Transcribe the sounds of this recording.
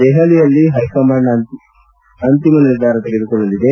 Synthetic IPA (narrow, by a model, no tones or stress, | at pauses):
d̪ɛɦɐlijɐlːiɦɐjkɐmaːnɐn | ɐnt̪imɐniɾd̪ʱaːɾɐt̪iɡed̪ukɔɭːɐlid̪e